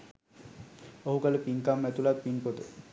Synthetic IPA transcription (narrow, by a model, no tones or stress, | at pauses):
oɦukalepiŋkamːɛt̪ulak̪̚pinpot̪e